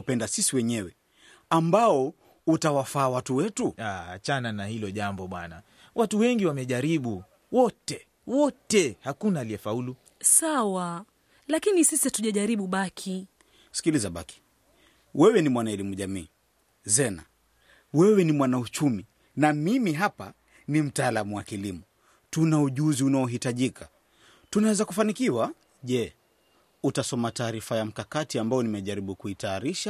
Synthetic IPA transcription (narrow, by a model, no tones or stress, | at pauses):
pɛndasisiwɛɲɛwɛ | ambaɔ | utawafaːwatuwɛtuahat͡ʃananahilɔʄambɔɓwana̰ | wʔatuwɛŋɡiwamɛʄaɾiɓu | wɔtɛ | wɔtɛhakunaːlijɛfaulu | sawa | lakinisisihatuʄaʄaɾiɓuɓakʰi | si̥kilizaɓa̰ki̥ | wɛwɛnimwanaɛlimuʄamiː | zɛna̰ | wɛwɛnimwanaut͡ʃumi | namimiɦapa̰ | nim̩taːlamuwakilimu | tunauʄuziunaɔɦitaʄikʰa | tunawɛzakufanikiwa | ʄɛ | utasɔmataːɾifajam̩kakatiambajɔnimɛʄaɾiɓukuitaːɾiʃa